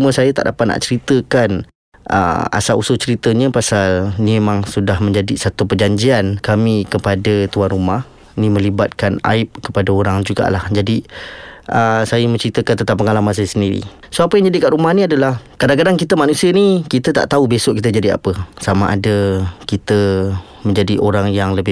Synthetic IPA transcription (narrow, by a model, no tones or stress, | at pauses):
uməsajat̪a̰ʔdapat̪̚na̰ʔt͡ʃəɾit̪əkan | ʔə̰a̰salusʊt͡ʃəɾit̪əɲə̃pasalnĩmemaŋsudahmə̃ɲd͡ʒadisat̪upəd͡ʒaɲd͡ʒiankamĩkəpadət̪uanrumah | nĩmə̃libat̪̚kana̰ɪp̚kəpadaoɾaŋd͡ʒuɡa̰ʔlahd͡ʒadi | ʔəsajəməɲt͡ʃəɾit̪əkant̪ət̪apːəŋalamans̬ajəsəndiɾḭ | soapəjaŋd͡ʒadikaʔɾumahniadalahkadaŋk̬adaŋkit̪əmanũsiənikit̪ət̪a̰ʔt̪aubesoʔkit̪əd͡ʒadia̰pəsamã̰ʔa̰dəkit̪ə | mə̃ɲd͡ʒadiʔoɾaŋjaŋləbɪ